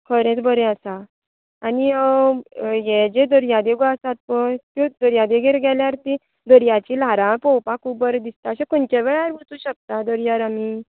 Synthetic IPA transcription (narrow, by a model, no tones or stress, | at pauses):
kʰəɾẽt͡sbəɾɛ̃əsaː | ni | jɛd͡ʑed̪əɾjãd̪eɡasat̪̚pət̪ũd̪əɾjãd̪eɡʱeɾɡɛljaɾt̪ĩ | d̪əɾjat͡ɕilaɾãpɔwpakubəɾd̪ist̪aəsẽkoɳt͡ɕeʋɛɭaɾbut͡sũɕək̚t̪ad̪əɾjaɾami